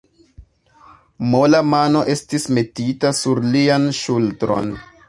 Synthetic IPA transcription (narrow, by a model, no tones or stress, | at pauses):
mo̞lamano̞ʔe̞stisme̞titasuɾlianʃultɾo̞̰n